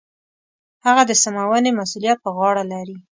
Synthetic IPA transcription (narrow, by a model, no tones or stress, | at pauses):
haɣad̪əsamawənemasulijat̪̚pəɣɑɽalaɾi